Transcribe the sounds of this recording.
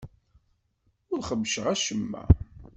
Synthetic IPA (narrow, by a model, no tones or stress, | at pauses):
ʊɾχəvʃəʁæʃəmːæ̰